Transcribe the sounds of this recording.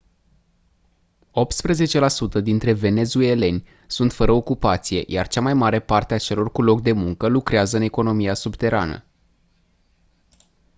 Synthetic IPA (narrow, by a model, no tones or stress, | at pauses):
o̞p̚t̪spɾeze̞t͡ʃe̞lasut̪əd̪int̪ɾe̞ve̞ne̞zue̞le̞nʲ | sunt̪fəɾəokupat̪sije̞̰ja̰rt͡ʃamajmaɾe̞part̪eat͡ʃe̞lo̞rkulo̞k̚d̪e̞muŋkəlukɾeazəɨne̞ko̞no̞miasubt̪e̞ɾa̰nə̰